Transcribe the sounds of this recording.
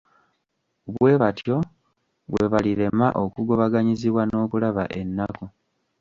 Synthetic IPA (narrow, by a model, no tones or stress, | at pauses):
βwwe̞βatjo̞ | βwe̞βaliɾe̞maʔokuɡo̞βaɡaɲiziβwano̞ːkulaβa̰ʔe̞nːako